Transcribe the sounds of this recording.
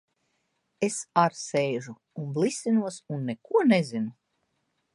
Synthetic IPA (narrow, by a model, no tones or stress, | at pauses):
esaɾsejʒu | unblˠisʲinuɔsunːekuɔnezinu